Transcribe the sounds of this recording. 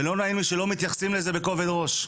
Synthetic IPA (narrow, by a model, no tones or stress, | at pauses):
elo̞nainmiʃe̞lo̞mit̪jaχsimle̞ze̞beko̞ved̪ʁo̞ʃ